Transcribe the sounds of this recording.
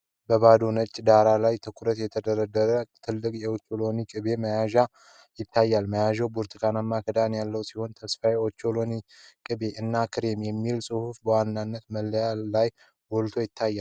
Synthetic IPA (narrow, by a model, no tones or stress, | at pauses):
bəβad̪onət͡ʃʼːd̪aɾalajt̪ʰɨkʰuɾət̪jɛt̪ʰəd̪əɾəd̪əɾət̪ʰɨlːɨkʼjɛot͡ʃːolo̞nikʼɨβe̞məjaʒa | jɪt̪ʰːajːalməjaʒɛwbuɾt̪ʰɨkʰanamːakʰəd̪anjalːəwsiho̞nt̪ʰəsfajot͡ʃːolo̞nikʼɨbe̞ʔɨnːakʰɨɾemjɛmːilsʼɨhufbəwanːanːət̪məlːəjallaj | wɔlt̪ʰo̞jɪt̪ʰːajːal